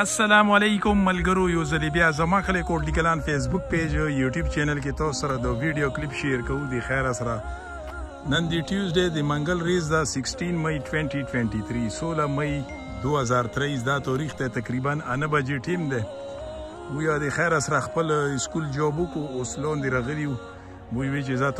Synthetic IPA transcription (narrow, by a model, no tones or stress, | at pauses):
asːalamalekʊmːalɡəɾojozalibjazamaxəlekoʈlikalanfes̬bʊk̚ped͡ʒəjuʈjubt͡ʃenalk̬et̪ɑssaɾad̪əwiɖijoklɪpʃeɾkaud̪əxaɾasaɾa | nənd̪eʈjuzɖed̪əmaŋɡəlɾezd̪asɪksʈinmajʈweɳʈiʈweɳʈit̪ʰɾisolamaj | d̪oazaɾt̪ɾais̬d̪at̪ɔɾixd̪et̪akɾibananəbad͡ʒeʈimd̪e | mujad̪exaɾasaɾaxpəlɪskuld͡ʒɔbukooslɔnd̪eɾaɣəliu | muɡwet͡ʃeza